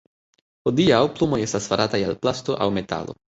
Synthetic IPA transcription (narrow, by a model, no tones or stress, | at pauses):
hodiawplumo̞je̞stasfaɾʔatajalplasto̞ʔawme̞ta̰lo̞̰